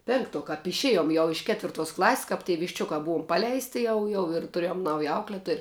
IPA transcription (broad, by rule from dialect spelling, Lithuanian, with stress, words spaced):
ˈpʲɪŋkˌtuɔ kɐp ɪʃʲˈeːjoːm jɛʊ ɪʃ ˈkʲæːtʲʋʲɪrˌtuɔs ˈklˠɐˌsʲsʲ kɐp tʲiɛ ʋʲɪʃʲˈt͡ʃʲʊkɐ ˈbuɔm ˈpɑːlʲɛɪsʲtʲɪ ˈjɛʊ jɛʊ ɪr tʊˈrʲeːjoːm ˈnɐʊjɛ ˈɐʊklʲɛtoːj